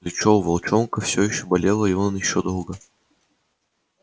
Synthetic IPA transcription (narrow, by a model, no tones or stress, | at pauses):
lʲɪt͡ɕovɐlˠt͡ɕonkəfsʲojɪɕːobɐlʲelˠəɪonnjɪɕːod̪olˠɡə